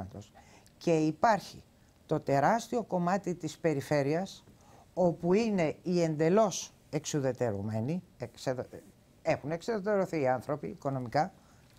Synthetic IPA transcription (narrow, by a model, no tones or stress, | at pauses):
ɐt̪o̞s | ce̞ipɐɾçḭ | t̪o̞t̪e̞ɾɐst̪io̞ko̞mɐt̪it̪ispe̞ɾife̞ɾiɐs | o̞puine̞iend̪e̞lo̞s | e̞ksuðe̞t̪e̞ɾumeniekseð | e̞xune̞ksiðet̪e̞ɾoθiːɐnθɾo̞piːko̞no̞mikɐ